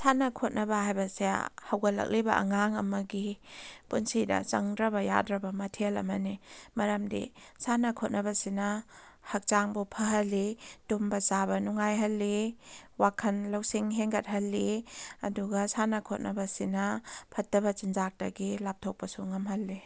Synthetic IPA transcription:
sanɐkʰot̚nɐbɐhajbɐsea̰hɐwɡɐlɐ̰k̚libɐ̰ʔŋaŋɐ̰mɐɡipunsidɐ̰t͡ʃɐ̰ŋdɾɐbɐja̰dɾɐbɐmɐtʰelɐ̰mɐnimɐɾɐmdḭsanɐkʰot̚nɐbɐsinɐ | hɐk̚t͡ʃaŋbupʰɐɦɐlːitumbɐt͡ʃabɐnuŋajɦɐlːiwakʰɐnlɐwsiŋɦeŋɡɐt̚ɦɐlːiɐ̰duɡɐsanɐkʰot̚nɐbɐsinɐpʰɐtːɐbɐt͡ʃind͡ʒak̚tɐɡilap̚tʰok̚pɐsuŋɐmɦɐlːi

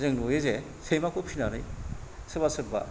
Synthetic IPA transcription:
zɯŋnojeze | sʰemakopʰinanɯjsɯbasɯɾba̰

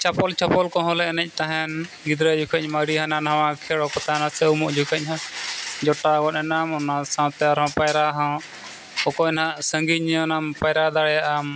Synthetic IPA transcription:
t͡ʃapɔlt͡ʃapɔlkɔ̃ɦɔ̃lɛnɛc̚ˀt̪aɦɛn | ɡid̪ɾɛd͡ʒukʰəɲmaɽiɦãnanɦaw̃ãkʰɛɽɔkɔt̪anasɛwmɔʔd͡ʒukʰəɲɦãd͡ʒɔʈaɡɔtɛnamɔnasãwt̪ɛaɾɦɔ̃pajɾaɦɔ̃ | ɔkɔɛnɦaʔsəŋɡiɲɔnampajɾad̪aɽɛjaʔam

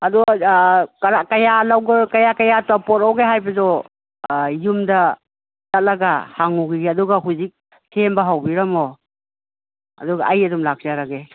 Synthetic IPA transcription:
adu | kɾakajalawɡkajakajatapɔtawɡeɦajbɐzɔ | jumdɐ | zat̚laɡahaŋuɡiɡeɐduɡaɦuzik̚ | sʰembaɦawbiɾɐmɔ | ɐ̰duɡaʔajɐdumlak̚zaɾaɡe

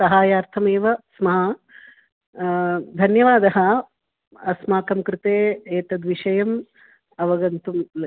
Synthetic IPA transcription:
sɐɦaːjaːɾt̪ʰɐmeːʋɐsmɐɦɐ | d̪ʱɐnjɐʋaːd̪ɐɦɐ | ɐsmaːkɐmkɾɪt̪eːeːt̪ɐd̪ʋiʂɐjɐm | ɐʋɐɡɐnt̪uml

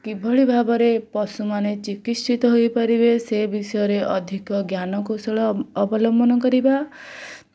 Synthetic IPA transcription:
kibʱɔɭibʱabɔɾepɔsumanet͡ʃikit̪t͡ʃit̪ɔɦojpaɾibesebisɔjɔɾeʔɔd̪ʱikɔɡjanɔkosɔɭɔːbɔlɔmbɔnɔkɔɾiba

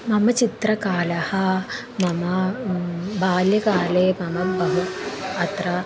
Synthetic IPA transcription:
mɐmɐt͡ʃit̪ɾɐkaːlɐhɐ | mɐmɐ | baːljɐkaːleːmɐmɐbɐɦuɐt̪ɾɐ

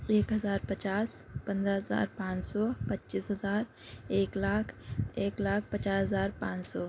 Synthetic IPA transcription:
eːkɦɐzaːɾpɐt͡ʃaːspɐ̃nd̪ɾəɦɐza̰ːɾpãːt͡ʃsɔpɐtːʃisɦɐzaːɾ | eːklaːkʰeːklaːk̚ʰpɐt͡ʃaːsɦəzaːɾpãːt͡ʃsɔː

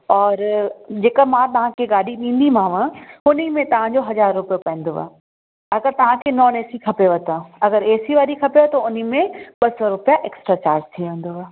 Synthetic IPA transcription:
ɔːɾd͡ʑeːkəmãt̪ɐʋ̤ãkʰeɡaːɽiɗĩːn̆d̪imãːʋə̃ʊnimẽt̪ɐʋ̤ãd͡ʑoɦɐzaːɾːʊpijopɛ̃ːn̆d̪oːa̰ː | ɐɡəɾt̪ɐʋ̤ãkʰenɔːneːsikʰɐpeʋɐt̪õɐɡəɾeːsiʋaːɾikʰɐpeʋət̪oʊnimẽɓɐsɔɾʊpijaʔeːksʈɾat͡ɕaːɾd͡ʑt̪ʰiʋẽːnd̪oaː

